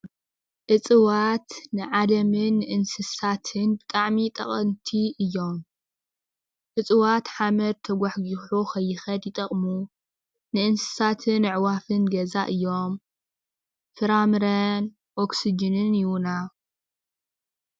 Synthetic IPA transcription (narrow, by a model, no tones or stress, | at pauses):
ʔɨt͡sʼɨwat̪nɨʕalɐmɨnːɨʔɨnsɨsat̪ʰɨnbɨt̪ʼaʕmit̪ʼɐ̰χʼɐnt̪ʰiʔɨjːo̞m | ʔɨt͡sʼɨwat̪ħamɐɾt̪ʰɐɡʷaħɡiħuxʰɐjːɪxɐd̪jɪt̪ʼɐχʼmu | nɨʔɨnsɨ̥sat̪ʰɨnːɨʕwafɨnɡɐzaʔɨjːo̞m | fɨɾamɨɾɐn | ʔoksid͡ʒɨnɨnjɪwuna